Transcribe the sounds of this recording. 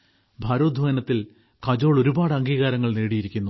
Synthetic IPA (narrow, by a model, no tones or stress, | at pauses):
bʱaːɾoːd̪ʱʋɐjɐnɐt̪ːil | kɐd͡ʑoːɭo̞ɾubaːɽɨɐŋɡiːɣaːɾɐŋːɐɭneːɽijiɾikʲːunːu